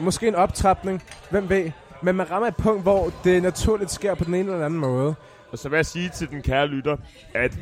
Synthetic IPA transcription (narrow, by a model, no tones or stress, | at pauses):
mɒ̽sɡ̥e̝̰ːenɒ̽b̥t͡sʰʁɑ̈b̥ne̝ŋʋem̰ʋḛː | menmænʁɑ̈mɐed̥̚pʰɔ̽ŋ̰d̥ʋɒd̥e̝næt͡sʰuɐlid̥sɡ̥e̝ɐ̰pʰɒdene̝ːnəelæn̩mɔ̽ːð̞ˠə | sɒʋejasiːt͡sʰe̝ld̥enkʰæːɐlyd̥ɐ | æd̥